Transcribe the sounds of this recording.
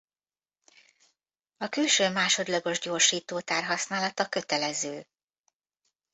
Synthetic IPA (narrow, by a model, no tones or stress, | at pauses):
ɒkylʃøːmaːʃo̞d̪lɒɡo̞ʒɟo̞ːrʃiːt̪oːt̪aːrɦɒsnaːlɒt̪ɒkøt̪ɛlɛzøː